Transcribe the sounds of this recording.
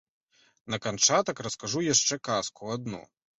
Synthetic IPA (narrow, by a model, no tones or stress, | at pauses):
nɐkant͡ʂat̪ɐkɾɐskaʐujaʂt͡ʂɛkaskuad̪nɔ̰